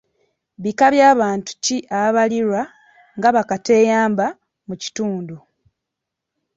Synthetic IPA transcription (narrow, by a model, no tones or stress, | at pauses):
βikaβjaːβaːntu̥ciʔaβaliɾwa | ŋɡaβakate̞ːjaːmba | muci̥tuːndu